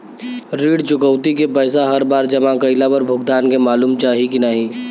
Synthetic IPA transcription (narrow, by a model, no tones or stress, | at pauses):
ɾiːɽt͡ʃʊkəʊt̪ikepəɪsaɦɐɾbaːɾd͡ʒɐmãkɐɪlabəɾbʱʊɡd̪aːnkemaːluːmt͡ʃaːɦikinəɦĩː